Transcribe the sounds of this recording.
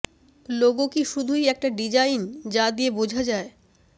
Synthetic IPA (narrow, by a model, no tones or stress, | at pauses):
loɡokiʃud̪ʱujɛk̚ʈaɖid͡ʑajnd͡ʑad̪iebod͡ʑʱad͡ʑae